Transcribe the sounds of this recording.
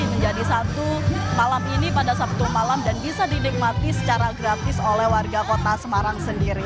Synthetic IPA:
məɲd͡ʒadisat̪umalaminipadasap̚t̪umalamdanbisadinik̚mat̪isə̥t͡ʃaɾaɡɾat̪ɪsolɛhwarɡakot̪asəmaɾaŋsəndiɾi

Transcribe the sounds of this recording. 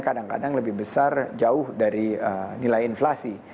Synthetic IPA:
kadaŋka̰daŋləbɪhbəsard͡ʒaʊhdaɾiənilajinflasi

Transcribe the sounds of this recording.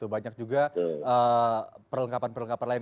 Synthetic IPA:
t̪ubaɲak̚d͡ʒuɡaəpərləŋkapanpərləŋkapanlaɪn

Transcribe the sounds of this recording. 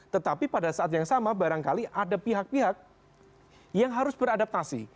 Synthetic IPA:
t̪ət̪apipadasaʔat̪jaŋsamabaɾaŋkaliʔadapiɦak̚piɦak̚ | jaŋɦaɾʊsbəɾadap̚t̪asḭ

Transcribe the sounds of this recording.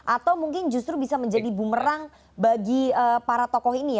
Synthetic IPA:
ʔat̪awmuŋkɪnd͡ʒust̪ɾubisaməɲd͡ʒadibuməɾaŋ | baɡiəpaɾat̪ɔkɔhinija

